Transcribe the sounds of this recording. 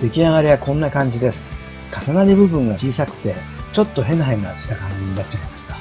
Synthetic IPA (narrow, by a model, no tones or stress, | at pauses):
d̪̥e̞kʲinaɡaɾʲiβakõ̞nːakãɲ̟d͡ʑid̪e̞sɨ̥ | kasanaɾʲibɯ̟bɯ̟̃ŋɡat͡ɕiːsakɯ̟̥t̪e̞ | t͡ɕo̞t̪ːo̞ɦẽ̞nɦaĩŋɡaɕi̥t̪akãɲ̟d͡ʑiɲ̟inat͡ɕːaemaɕi̥t̪ḁ